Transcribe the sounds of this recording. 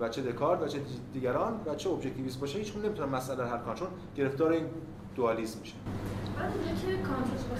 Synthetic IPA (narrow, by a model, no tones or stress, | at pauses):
væt͡ʃʰed̪ekʰɒːɾt̪væt͡ʃʰed̪iːɡæɾɒːnvæt͡ʃʰeobʒec̚t̪ʰiviːs̬bɒːʃæhiːt͡ʃkunːemit̪ʰunæmːæsʔælæɾɦæɾkʰɑnt̪ʰɾon | ɟ̥e̞ɾe̞ft̪ɒːɾeiːn | d̪̥oɒːlismmiʃæalunekʰekʰɔnt̪ɾosbo